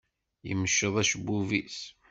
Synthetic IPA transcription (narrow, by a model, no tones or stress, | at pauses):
jə̰mːəʃːəðˤæʃbuvis